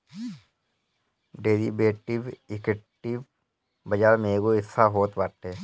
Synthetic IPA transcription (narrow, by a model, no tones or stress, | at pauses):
ɖeːɾibeːʈɪʋɪkɪʈiʋ | bəd͡ʒaːɾmeːɡoɪsaɦoːt̪baːʈ̪eː